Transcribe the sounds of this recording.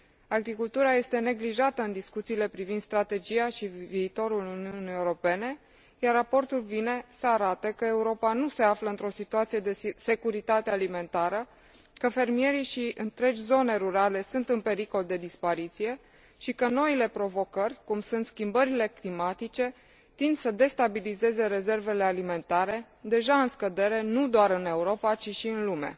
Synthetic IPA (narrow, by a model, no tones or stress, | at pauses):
aɡɾikult̪uɾaje̞st̪e̞ne̞ɡliʒat̪əɨnd̪iskut̪siːle̞pɾivind̪st̪ɾat̪e̞d͡ʒijaʃiviːt̪o̞ɾuluniuniewɾo̞pe̞ne̞ | jarːapo̞rt̪ulvine̞səaɾat̪əkəe̞uɾo̞panuse̞afləɨnt̪ɾo̞sit̪uat̪sije̞d̪e̞se̞kuɾit̪at̪ealime̞nt̪aɾə | kəfe̞rmije̞ɾiʃiʔɨnt̪ɾe̞d͡ʒʲzo̞ne̞ɾuɾale̞sunt̪ɨnpe̞ɾiko̞ld̪e̞d̪ispaɾit̪sije̞ | ʃikəno̞ile̞pɾo̞vo̞kərʲkumsunt̪skʲimbəɾile̞klimat̪it͡ʃe̞ | t̪ind̪səd̪e̞st̪abilize̞ze̞ɾe̞ze̞rve̞le̞alime̞nt̪aɾe̞ | d̪e̞ʒaɨnskəd̪e̞ɾe̞nud̪oaɾɨne̞uɾo̞pat͡ʃiʃiɨnlume̞̰